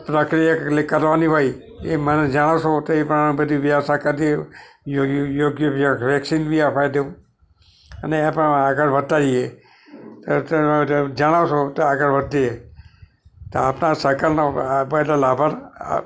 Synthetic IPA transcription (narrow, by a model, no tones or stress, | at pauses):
pɾəkɾijalekəɾʋaniɦoj | eməned͡ʒaɽ̃aʃot̪oepəɳbəd̪ʱiʋjasakad̪i | jjoɡjəbijaɾekʃinbʱiapʰajd̪eũ | əneepə̃aɡəɾʋət̪ːaɾie | t̪ot̪ed͡ʒaɽ̃aʋʃot̪oaɡəɾbət̪ːie | t̪oapnasəkaɾnobəʈalabʱəɾ̰